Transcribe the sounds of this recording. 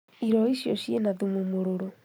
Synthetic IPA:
iɾɔiʃjoɕienaðumumoɾoɾo

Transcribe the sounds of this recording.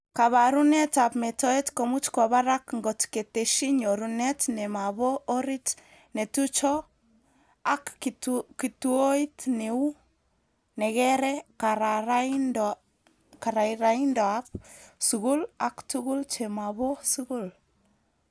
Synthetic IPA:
kaβaɾunɛtapmɛtɔetkɔmut͡ʃkɔβaɾakŋɡɔtketeʃiɲoɾunɛtnɛmaβɔːɾit | netut͡ʃɔ | akkituoitneu | nɛɣɛɾɛkaɾaɾand | kaɾaiɾaindɔap̚suɣulaktuɣult͡ʃɛmaβɔsuɣul

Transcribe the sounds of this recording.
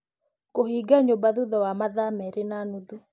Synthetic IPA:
kohiɡaɲobaðuðɔwamaðamɛɾenanuðu

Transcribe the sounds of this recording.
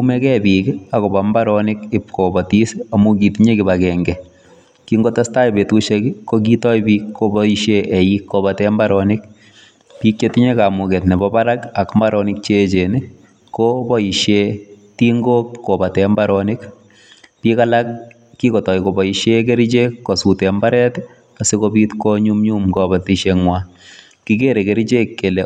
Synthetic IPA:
kumɛkɛbiːkakobambaɾɔnɪkɪpkobatisamukitiɲekibakɛŋɡɛ | kiŋɡotastaibetuʃekkːok̬itɔjbiːkːobɔiʃjeʔɛjikːobatɛmbaɾɔnɪk | piːk̚t͡ʃetiɲekamuketnɛbɔbaɾakakmbaɾɔnɪk̚t͡ʃet͡ʃeni | kːobɔiʃjetiŋɡokkːobatɛmbaɾɔnɪk | pikalak̚ː | ikɔtɔjkobɔiʃek̬eɾit͡ʃekːosutɛmbaɾɛt | asekobitkoɲumɲumkɔbatiʃeŋwa | kikeɾekeɾit͡ʃekːele

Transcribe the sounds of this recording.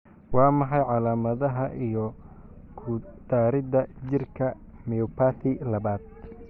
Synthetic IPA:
wɑːmɑħɑjʕɑlaːmɐðɐɦɐʔijɔ | kʰʊd̪̥aːɾɪd̪ɐt͡ʃɪrkʰɐ | mɛɔpʰaːθɪlɐβaːd̪

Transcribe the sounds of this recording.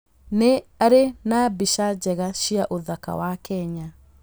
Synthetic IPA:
neaɾenabiʃad͡ʑɛɣaʃiaʔoðaka̰wakɛɲa

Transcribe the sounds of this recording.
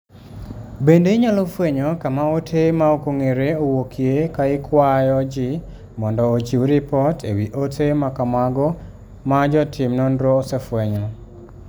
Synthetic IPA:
bendeɲalofweɲɔkamaotʰemaokoŋeɾeowokʰjekaɪkʰwajɔd͡ʒɪ | mɔndɔːd͡ʒiuɾipɔtʰḛwiʔotʰemakamaɡɔ | mad͡ʒɔtʰɪmnɔndɾɔːsefweɲɔ

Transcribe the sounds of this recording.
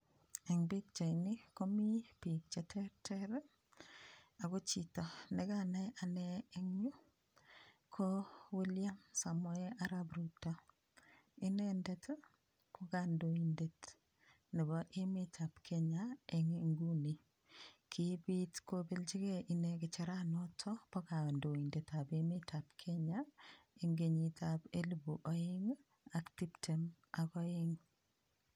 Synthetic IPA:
ɛŋbik̚t͡ʃajnɪkomipik̚t͡ʃɛtʰɛɾtʰɛɾɛ | aɡot͡ʃitɔnɛɡanɛʔanɛːŋɲu | kʰoweljamsamɔɛʔaɾabɾutɔ | ɪnɛndɛtʰ | kʊɡandoindet | nɪbɔʔemetʰapkʰeɲaeŋŋɡuni | kʰibitkobelt͡ʃikeʔinekɪt͡ʃaɾanɔtʰɔpɔkandoindetapemetʰap̚kʰeɲaeŋɡeɲitʰapelbuʔoɪŋ | aktiptʰem | akɔɪŋ

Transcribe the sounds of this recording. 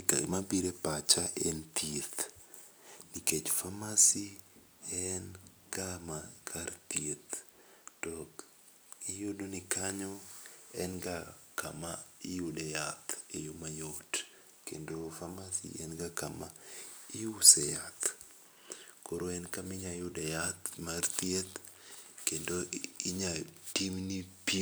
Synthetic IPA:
a̰mabiɾepat͡ʃaʔent̪et̪ | niket͡ʃfamasi | ɛn | kamakʰart̪iet̪d̥ɔk | ijodonikaɲɔɛnɡakamaɪjudɛjat̪ejumajot | kḛndofamasḭɛnɡakamaiusɛjat̪ | koɾoɛnkamɪɲajudɛjat̪mart̪jet̪ | kendoiɲatimnipi

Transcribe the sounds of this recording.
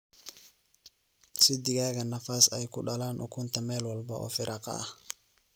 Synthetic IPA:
sɪd̪ɪɣaːɣɐnɐfasɛjkʊɗɐlaːnʔʊ̰kʰunt̪ɐmɛːlwɐlbɐʔɔ̰fɪɾʔɐqɑ̰

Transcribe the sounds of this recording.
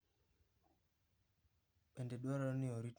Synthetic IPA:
ɓɛndɛɗaɾaniɔɾit

